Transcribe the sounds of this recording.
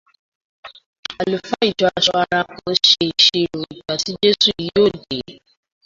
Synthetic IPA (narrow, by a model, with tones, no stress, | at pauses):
a˨lu˨fa˦i˦˨d͡ʒɔ˧˦a˧ʃɔ˧a˧ɾ̃ã˧kɔ̃˧˦ʃe˧i˨ʃe˧ɾo˨i˨ɡ͡ba˨ti˨˦d͡ʒe˦su˦˨i˨ji˦o˦˨de˨˦